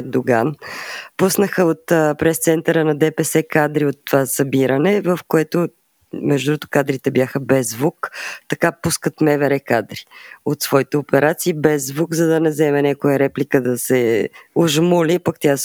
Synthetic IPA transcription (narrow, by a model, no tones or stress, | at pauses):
d̪oɡanpusnəxəot̪ːpɾɛst̪sɛnt̪əɾənɐd̪ɛpɛsɛkad̪ɾiot̪ːovasɐbiɾənɛvəfkoɛt̪o | mɛʒd̪ɾut̪ʊ̥kad̪ɾit̪ɛbjaxəbɛzvukt̪ɐkapuskət̪mɛvɛɾɛkad̪ɾi̥ot̪svɔit̪ɛopɛɾat̪siːbɛzvukzɐd̪ɐnɛzɛmɛnʲakojəɾɛplikəd̪ɐsɛoʒmulipakt̪ʲja